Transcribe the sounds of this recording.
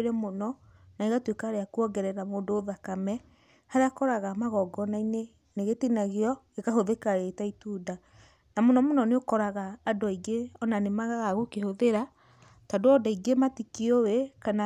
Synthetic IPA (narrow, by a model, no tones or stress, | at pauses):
ɾɛmonɔnaiɣatwekaaɾeakuɔɡɛɾɛɾamoːndoːðakamɛ | haɾeakɔɾaɣamaɣɔɡɔnaine | neɣetinaɣeɔ | ekaɦoðekaɾetaituda | namonɔmonɔneokɔɾaɣaːdoaiɡeɔnanemaɣaɣaɣokehoðeɾa | tadoɔdaiɡematikiowekana